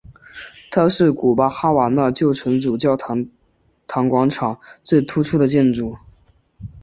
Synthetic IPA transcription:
t̪ʰa˥ʂɻ̩˥˩ku˨˩pa˥xa˥wa˨˧˩na˥˧t͡ɕjo˥˩ʊʈ͡ʂʰɤ˧˥ŋʈ͡ʂu˨˩t͡ɕjɑ˥˩ʊ˥ | t̪ʰɑ˧˥ŋkwɑ˧˥ŋʈ͡ʂʰɑ˨˩˦ŋt͡swe˥˩ɪt̪ʰu˥ʈ͡ʂʰu˥d̪ə˨t͡ɕjɛ˥˧nʈ͡ʂu˨˩˦

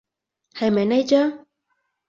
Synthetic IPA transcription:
ha˨˩ma˨˩na˧jt͡ɕɔ˧˦

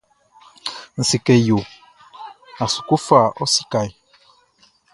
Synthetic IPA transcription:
n̩˨si˨kɛ˨jo˨ | a˨su̥˨ku˦fa˦˨ʔɔ˦si̥˦ka˨j

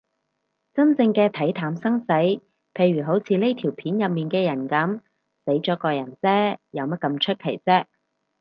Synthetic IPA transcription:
t͡sɐ˥nt͡sɪ˧ŋkɛː˧t̪ʰɐ˨˥jt̪ʰaː˨˥msɐ˥ŋse˨˥j | pʰe˧jɥyː˨˩ɦo˨˥wt͡sʰiː˨˧le˥jt̪ʰiː˨˩wpʰiː˨˥njɐ˨p̚miː˨nkɛː˧jɐ˨˩nkɐ˨˥m | se˨˥jt͡sɔː˨˧˥kɔː˧jɐ˨˩nt͡sɛː˥jɐ˨˧wmɐ˥t̚kɐ˧mt͡ʃʰɵ˥t̚kʰe˨˩jt͡sɛː˥

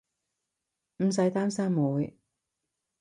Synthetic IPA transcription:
m̩˨˩s̬ɐ˨˥jt̪aː˥msaː˥mːuː˨˧˥j

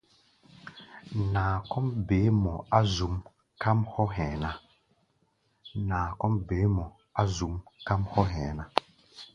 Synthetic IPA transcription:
nãː˨kɔ˦mbe˨˦mɔ˨a˦zu˨m | ka˦mhɔ˦ɦɛ̃ː˨na˦ | nãː˨kɔ˦mbeː˨˦mɔ˨ | a˦zu˨mka˦mhɔ˦ɦɛ̃˨nã˦

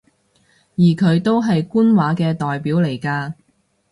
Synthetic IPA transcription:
jiː˨˩kʰɵ˨˧ɥt̪o˥wɦɐ˨jkuː˥nwaː˨˥kɛː˧t̪ɔː˨jpiː˨˥wle˨˩jkaː˧

